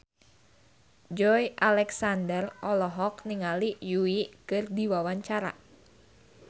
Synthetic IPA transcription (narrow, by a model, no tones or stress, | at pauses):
d͡ʒɔjʔalɛksandərɔlɔɦɔkniŋalijuiʔkɨrdiwawaɲt͡ʃaɾa̰